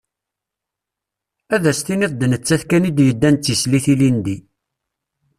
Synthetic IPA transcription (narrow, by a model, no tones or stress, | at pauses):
æðæst̪iniðˤd̪nət͡sːæθkænid̪jəd̪ːænt͡s̪ːisliθilind̪i